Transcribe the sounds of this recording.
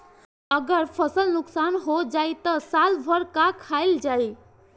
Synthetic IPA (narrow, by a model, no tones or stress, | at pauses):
əɡəɾpʰəsəlnuksanɦod͡ʒait̪əsalbʱəɾkakʰaild͡ʒaj